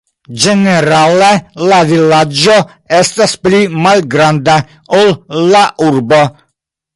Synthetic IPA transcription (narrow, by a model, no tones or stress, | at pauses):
d͡ʒeneɾalelavilad͡ʒo | estasplimalɡɾand̪a | olːaʔuɾbo